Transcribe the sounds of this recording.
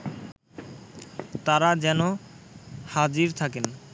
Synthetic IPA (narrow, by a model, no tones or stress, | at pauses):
t̪aɾad͡ʑɛno | had͡ʑiɾt̪ʰaken